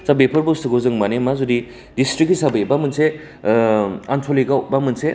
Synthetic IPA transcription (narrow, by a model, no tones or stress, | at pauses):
sabepʰɐɾbostɯɡozɯŋmanemazudi | distɾik̚ːisabejbamɯnse | antʰoliɡawbamɯnse